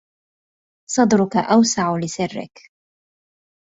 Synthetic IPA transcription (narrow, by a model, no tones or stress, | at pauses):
sˤɑd̪ˤɾʊkaʔawsaʕʊlɪsɪrːɪ̰k